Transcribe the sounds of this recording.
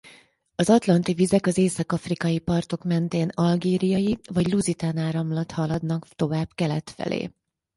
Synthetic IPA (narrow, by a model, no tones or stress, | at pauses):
ɒzɒt̪lɒnt̪ivizɛkɒzeːsɒkɒfrikɒjipɒrt̪o̞kmɛnt̪eːnɒlɡeːɾijɒjivɒɟluzit̪aːnaːɾɒmlɒt̪hɒlɒd̪nɒkt̪o̞vaːb̥kɛlɛt̪fɛ̰lḛː